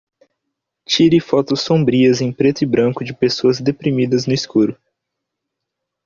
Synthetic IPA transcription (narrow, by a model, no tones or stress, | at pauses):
t͡ʃiɾɪfɔt̪ʊsːõbɾiɐzẽj̃pɾet̪ʊibɾɐ̃ŋkʊd͡ʒɪpesoɐzd̪epɾimid̪ɐznʊiskuɾʊ